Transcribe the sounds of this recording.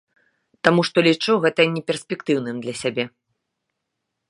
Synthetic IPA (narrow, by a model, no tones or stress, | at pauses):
t̪amuʂt̪ɔlʲit͡ʂuɣɛt̪ɐnʲɛpʲɛrsʲpʲɛkt̪ɨwnɨmd̪lʲɐsʲabʲɛ